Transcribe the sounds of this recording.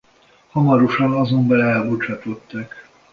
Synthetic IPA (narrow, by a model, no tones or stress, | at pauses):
hɒmɒɾoʃɒnɒzo̞mbɛlɛlbot͡ʃɒt̪o̞t̪ːɒk